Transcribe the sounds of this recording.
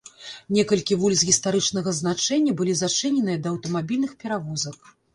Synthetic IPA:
nʲɛkɐlʲkʲivulʲszɣʲist̪aɾɨt͡ʂnɐɣɐznat͡ʂɛnʲːɐbɨlʲizat͡ʂɨnʲɛnɨjɐd̪ɐːwt̪ɐmabʲilʲnɨxpʲɛɾavɔzɐk̚

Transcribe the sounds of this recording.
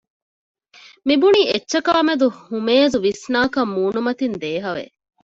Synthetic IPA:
mibuniːetːʃɐkaːmed̪uhumeːzuʋisnaːkɐmːuːnumɐt̪ind̪eːɦɐʋḛ

